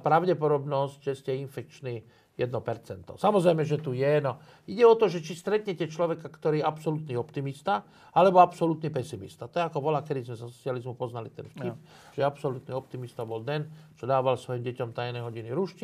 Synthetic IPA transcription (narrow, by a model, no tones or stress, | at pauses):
apɾaʊɟɛpɔd̪ɔbnɔsɟʒɛscɛinfɛkt͡ʃniː | jɛd̪nɔpɛɾt͡sɛnt̪ɔ̰samɔzɾɛjmɛʒɛt̪ujɛnɔ | iɟɛɔt̪ɔʒɛt͡ʃist̪ɾɛt̪ɲɛcɛt͡ʃlɔʋɛkakt̪ɔɾiːɛapsɔlut̪niːɔpt̪imist̪a | alɛbɔapsɔlut̪nipɛsimḭst̪at̪ɔɛakɔbɔlakɛd̪izmɛzɔsɔt͡sɪalizmupɔznalit̪ɛ̰nfc̪ip | ʒ̥ɛapsɔlut̪niɔp̚t̪imist̪abɔld̪ɛnt͡ʃɔd̪aːʋalsʋɔjimɟɛcɔmt̪ajnɛjɦɔɟiniɾuʃci